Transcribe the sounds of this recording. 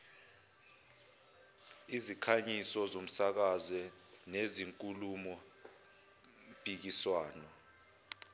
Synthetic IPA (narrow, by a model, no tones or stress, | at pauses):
izikʰaɲisɔzom̩sak̬azɛneziŋkʼulumɔ | pʼik̬iswaːnɔ